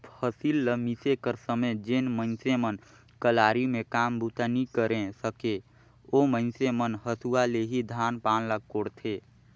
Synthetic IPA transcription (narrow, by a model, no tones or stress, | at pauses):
pʰəsilːəmisekəɾsəməd͡ʒenmə̃nsemən | kəlaːɾimẽkaːmbut̪anikəɾẽsəke | omə̃nsemənɦəsuwaleɦid̪ʱaːnpaːnləɡ̚koːɽt̪ʰeː